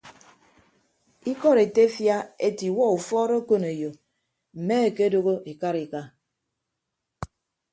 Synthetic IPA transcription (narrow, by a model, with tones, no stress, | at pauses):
i˦kɔ˦ɾe˨te˦fja˦e˦ti˨wɔ˦u˨fɔ˦ɾo˦ko˦ne˨jo˨ | m̩˨me˦e˨ke˦do˦ɣo˦ʔi˨ka˦ɾi˨ka˦